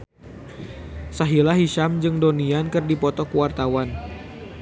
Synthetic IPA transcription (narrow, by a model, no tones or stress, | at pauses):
saɦilaɦiʃamd͡ʒɨŋdoniankɨrdipɔt̪ɔkuwart̪awan